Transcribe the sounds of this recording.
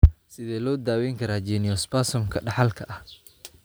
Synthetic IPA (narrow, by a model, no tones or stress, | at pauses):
sɪðɛːlɔːd̪aːwɛjŋkʰɐɾaːd͡ʒɛnɪjɔspaːsɔmkʰɐɖɑħɑlkʰɐʔɐh